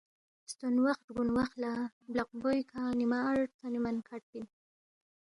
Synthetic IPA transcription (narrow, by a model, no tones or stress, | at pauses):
st̪onwaxt̪ɡunwaxlablaq̚bojkʰanimaːɻʈt̪animankʰaʈ̚bi